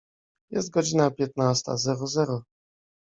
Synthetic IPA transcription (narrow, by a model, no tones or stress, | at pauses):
jɛst̪̚ɡɔd͡ʑinapʲjɛt̪nast̪a̰zɛɾɔzɛɾɔ